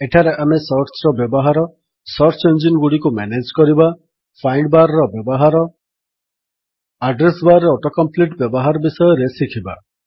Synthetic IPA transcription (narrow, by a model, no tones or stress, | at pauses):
eʈʰaɾeʔamesɔɾt͡ʃɾɔbjɔbɔɦaɾɔ | sɔɾt͡ʃend͡ʒinɡuɽikumaned͡ʒkɔɾiba | pʰajɳɖbaɾɔɾɔbjɔbɔɦaɾɔ | aɖɾesbaɾɔɾɔʈɔkɔmpliʈbjɔbɔɦaɾɔbisɔjɔɾesikʰiba̰